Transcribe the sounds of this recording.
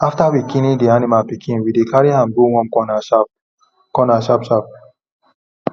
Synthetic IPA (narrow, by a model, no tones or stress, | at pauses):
aftawikĩnĩdianimapikʰĩnwidekaɹihãmduwɔ̃mkɔnaap̚ | kɔnaʃapʃap̚